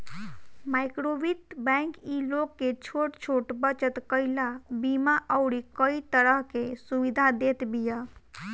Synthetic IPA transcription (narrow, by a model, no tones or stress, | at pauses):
majkɾobit̪bɛ̃ŋkilokːet͡ʃʰoʈt͡ʃʰoʈbət͡ʃət̪kəilabimaʔəʊɾikəit̪əɾəɦkesuʋid̪ʱad̪et̪bija